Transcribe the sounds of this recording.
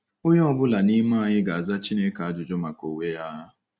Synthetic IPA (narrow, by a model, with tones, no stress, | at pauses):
o˦ɲɔ˦ɔ˨bʊ˦la˨ni˦ma˦˨ɲɪ˦ɡa˨a˨za˦t͡ʃi˦ne˦ka˨a˦d͡ʒʊ˨d͡ʒɔ˦ma˨ko˨we˦ja˦ɦa˦